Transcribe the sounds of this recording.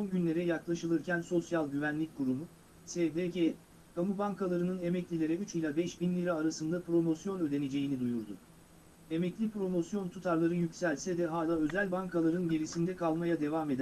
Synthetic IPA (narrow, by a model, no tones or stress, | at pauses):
so̞nɟynlʲe̞ɾɛjaklˠaʃɯlˠɯɾcʰænso̞sjalˠɟyvænlʲic̚ʲkʰuɾumu | sed̪ece | kʰamubaŋkʰalˠaɾɯnɯne̞mɛclʲilʲe̞ɾɛyt͡ʃilʲabɛʃbinlʲiɾaːɾasɯnd̪apɾo̞mo̞sjo̞nø̞d̪e̞ne̞d͡ʒe̞jinid̪ujuɾd̪ʊ̰ | e̞mɛclʲipɾo̞mo̞sjo̞nt̪ʰut̪ʰaɾlˠaɾɯjycsælʲsɛd̪ɛɦaːlʲˠaːø̞zælʲbaŋkʰalˠaɾɯnɟeɾisind̪ɛkʰalˠmajad̪e̞vaːme̞d̪æ